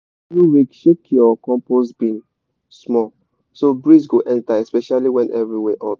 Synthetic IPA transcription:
ɹuɹikʃekʰiɔkɔ̃mposbĩn | smɔ | sobɹisɡoʔɛ̃ntaɛspɛʃaliwɛ̃nʔɛvɹiwɛʔɔt

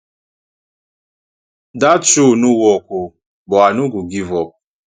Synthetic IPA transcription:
dat͡ʃunʊwɔkʷʊ | bʊanʊɡʊɡivɔ

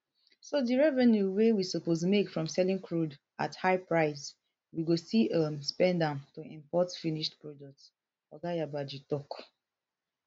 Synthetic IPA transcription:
sodiɹɛvɛnjuwewisoposmekfɹɔ̃msɛlĩŋkʰɹud | a̰thaɪpɹaɪs | wiɡosiʌmspɛ̃ndãntoḭ̃mpɔtfiniʃtpɹɔd͡ʒɛk̚t | ɔɡajabad͡ʒitɔk

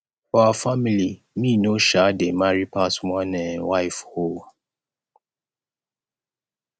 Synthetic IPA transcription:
aafamili | mĩnõʃademaɹipʰasmãnɛ̃waɪfho

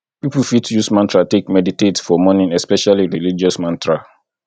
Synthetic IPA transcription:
pipufitjusmãntɹatekmɛditetsfɔmɔnĩnɛspɛʃaliɹilid͡ʒɔsmãntʰɹa

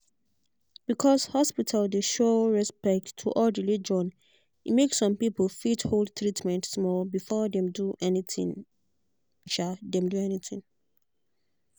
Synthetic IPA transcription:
b̥ikʰɔshɔspitʰaldeʃoɹɛspɛk̚tʰːuʔɔlɹilid͡ʒɔ̃n | imeksɔ̃mpipl̩fithold̚tɹitmɛ̃ntsmɔlbifɔdɛ̃mduʔɛnitḭ̃ŋ | ʃadɛ̃mduɛniθḭ̃ŋ

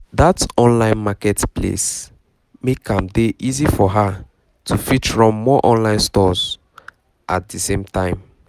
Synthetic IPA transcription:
datɔ̃nlãɪ̃nmakɛtpʰlḛs | mekãmdeʔizifɔɦa | tʰufit͡ʃɹɔ̃mːɔʔɔ̃nlãɪ̃nstɔz | ʔat̚disẽmtãɪ̃m

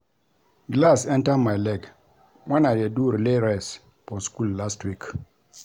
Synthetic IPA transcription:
ɡlasɛ̃ntamajlɛɡ | wanadeduɾleɾɛs | pɔskulːastwik

